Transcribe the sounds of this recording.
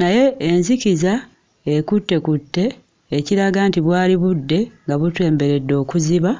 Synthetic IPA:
naje̞ːnziciza | ekutːe̞kutːe̞ː | ciɾaɡantiβwaːliβudːe̞ŋɡaβutwe̞ːmbe̞ɾe̞dːo̞ːkuziβa

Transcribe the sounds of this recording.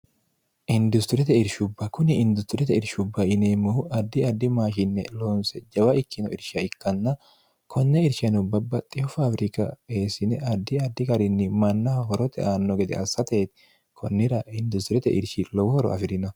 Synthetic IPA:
ʔɪnd̪ʊst̪ɪɾɛt̪ɛɪɾʃʊbːɐkʊnɪɪnd̪ʊst̪ɪɾɛt̪ɛɪɾʃʊbːɐɪneːmːʊhʊʔɐd̪ːɪɐd̪ːɪmaːʃɪnːɛloːnsɛd͡ʒɐwɐʔɪkːɪnɔ̰ʔɪɾʃɐɪkːɐnːɐ | kʰɔnːɛɪɾʃɐnʊbɐbːɐt̪ʼːɪjɔfaːfɾɪkɐ̰e̞ːsɪnɛʔɐd̪ːɪɐd̪ːɪkɐɾɪnːɪmɐnːɐɦɔɾɔt̪ɛ̰ʔaːnːɔɡɛd̪ɛ̰ʔɐsːɐt̪e̞ːt̪ɪ | kʰɔnːɪɾɐɪnd̪ʊst̪ɪɾɛt̪ɛ̰ʔɪ̰ɾʃɪlɔwɔhɔɾɔ̰ɐ̰fɪɾɪnɐ

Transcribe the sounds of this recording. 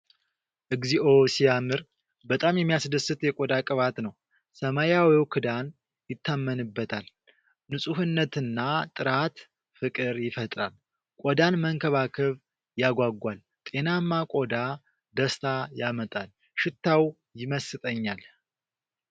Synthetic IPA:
ʔɨɡziʔo̞sijamɨɾ | bət̪ʼamjɛmːijasd̪əsːɨt̪jɛkʼod̪akʼɨβat̪nəw | səmajawiwkʰɨd̪an | jɪt̪ʰːamːənɨbːət̪ʰal | nɨsʼuhɨnːət̪ɨnːat̪ʼɨɾat̪ | fɨkʼɨɾjɪfət̪ʼɾal | kʷʼod̪anməŋkʰəβakʰɨβ | jaɡʷaɡːʷal | t̪ʼe̞namːakʼod̪a | d̪əst̪ʰajamət̪ʼal | ʃɪt̪ʰːaw | jɪməsɨt̪ʼəɲːal

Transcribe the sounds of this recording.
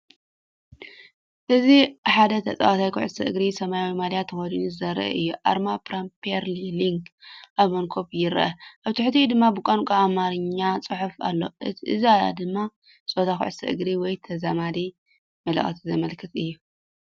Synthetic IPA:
ʔɨziħad̪ɐt̪ʰɐt͡sʼa̰wt̪ʰajkʰʊʕsʰɐʔɨɡɾisɐmajawimaljat̪ʰːɨxodinɨzɐɾɐ̰ʔʔɨjːuʔa̰ɾmapɾampʰiɾliliŋɡʔaβmɐŋkʰo̞βjɪɾʔɐʔaβt̪ʰɨħt̪ʰijd̪ɨmːabɨkʷʼankʼaamaɾɨɲːat͡sʼɨħufa̰lːo̞̰ʔɨt̪ʰiʔɨ̰ziaja̰d̪ɨmːa | sʼot̪ʰakʰʊ̰ʕsʰɐʔɨ̰ɡɾiwɔjt̪ʰɐzamali | mɐlɐ̰χʼɐt̪ʰizɐmɐlkʰɐt̪ʰʼɨjːu

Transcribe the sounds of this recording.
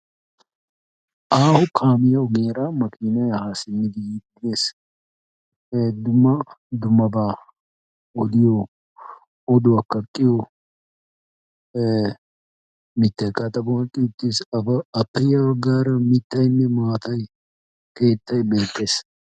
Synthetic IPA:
ʔaːhʊkʰaːmɪjɐwʊɡeːɾaːmɐkʰiːnɐjhaːsɪnːɪd̪ɪd̪ɡeːs | d̪ʊmːɐ | d̪ʊmːɐbaː | ɔd̪ɪjɔ | ɔd̪ʊɐkːɐkʼːɪjɔ | mɪt̪ːɐjkʼɐt̪ʼɐbɐwɐkʼːɪʊt̪ːisɐpːɛjɐwɡaːɾɐmɪt̪ːɐjnːɛmaːt̪ɐj | ke̞ːt̪ːɐjbe̞ːt̪ʼːe̞ːs

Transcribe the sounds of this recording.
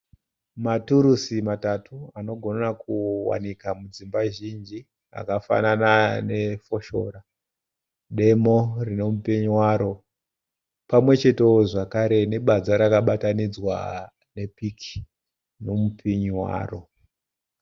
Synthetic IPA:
matuɾusimatatʰuano̞ɡʱo̞nakuwa̰nikamud͡zimbaʒind͡ʒi | a̰kafa̰nanane̞fo̞ʃo̞̰ɾa | ɗe̞morino̞mupiɲuwaɾo̞ | pamwe̞t͡ʃe̞te̞oʐakaɾe̞ne̞ɓad͡zaɾakaɓatanid͡zwa̰ | ne̞pikʰi̥ | no̞mupʰiɲwa̰ːro̞

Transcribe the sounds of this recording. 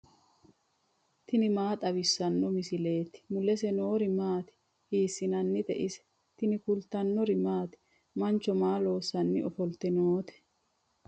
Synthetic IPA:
t̪ɪnɪmaːt̪ʼɐβɪsːɐnːɔmɪsɪle̞ːt̪ɪ̥mʊlɛsɛnoːɾɪmaːt̪ɪ̥ | hiːsːɪnɐnːɪt̪ɛ̰ʔɪsɛ̥ | t̪ɪnɪkʊlt̪ɐnːɔɾɪmaːt̪ɪ̥ | mɐnt͡ʃːɔmaːlo̞ːsːɐnːɪʔɔfɔlt̪ːɛnoːt̪ɛ̥

